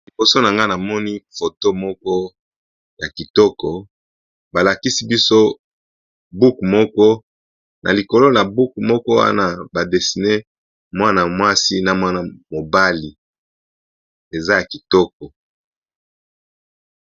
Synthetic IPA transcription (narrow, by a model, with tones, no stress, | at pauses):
li˨bo˨so˦na˨ŋɡa˦na˨mɔ˦ni˦fo˨to˦mɔ˦kɔ˦ | ja˨ki˨tɔ˦kɔ˨ | ba˨la˨ki˦si˦bi˦so˦ | bu˦kmɔ˦kɔ˦ | nʔa̰˨li˨ko˨lo˦na˨bu˦kmɔ˦kɔ˦wa̰˦na˦ba˨de˨si˨ne˦ | mwa˦na˨mwa˦si˦na˨mwa˦na˨mo˨ba˦li˨ | e˨za˦ja˨ki˨tɔ˦k̚ɔ˨